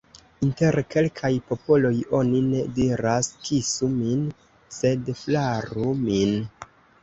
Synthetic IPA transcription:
inte̞ɾke̞lkʰajpo̞po̞lo̞jo̞nine̞diɾaskʰisumin | se̞dflaɾumin

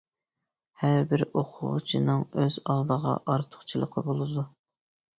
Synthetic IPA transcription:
hæɾbɪɾoqʰʊ̰ʁt͡ʃʰinɨŋøzɑlˠd̪əʁɑ̰ʔɑɾt̪ʰʊ̥χt͡ʃʰilˠəqʰəbolˠɨd̪u

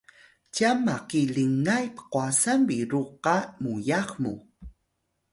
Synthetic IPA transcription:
camakiliŋajpə̥qwasanbiɾuqamujaχmṵ

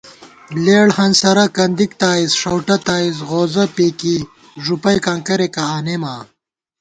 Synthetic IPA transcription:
leːɽhɐnsɐɾɐkɐnd̪ik̚t̪aːizʂɐwʈɐt̪aːizɣoːzɐpeːki | ʐupɐjkãːŋkɐɾekaaːnemaː

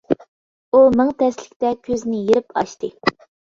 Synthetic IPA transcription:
umɪŋt̪ʰɛslɪ̥kʲt̪ɛkʲʰøznɪjeɾɪpʰɑ̰ʃt̪ɨ

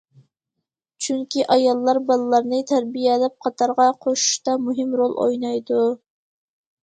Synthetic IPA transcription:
t͡ʃʰyŋkʲʰiʔɑjɑlˠːɑɾbɑlˠɨlˠɑɾnɨt̪ʰæɾbijɛlɛp̚qʰɑt̪ʰɑɾʁɑqʰoʃu̥ʃt̪ɑmuɦɪmɾolˠʔo̰jnɑjd̪u

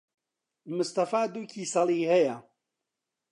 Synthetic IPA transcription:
mʊst̪ɐfaːd̪uːcʰiːsɐlˠiːhɛjɐ

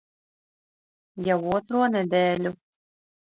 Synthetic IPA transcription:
jɛwoːt̪ɾoːnɛd̪ɛːlʲu

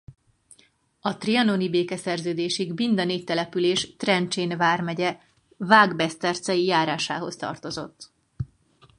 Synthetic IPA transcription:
ɒt̪riɒnonibeːkɛsɛrzøːd̪eːʃiɡmind̪ɒneːc̚t̪ɛlɛpyleːʃt̪rɛnt͡ʃeːnvaːrmɛɟɛ | vaːɡbɛst̪ɛrt̪sɛjijaːɾaːʃa̰ːɦo̞st̪ɒ̰rt̪o̞zo̞̰t̪ː

